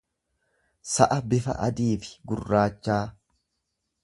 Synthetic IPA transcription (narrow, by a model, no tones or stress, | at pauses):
sɐʔɐbɪfɐ̰ʔɐd̪iːfɪ̥ɡʊrːaːt͡ʃːaː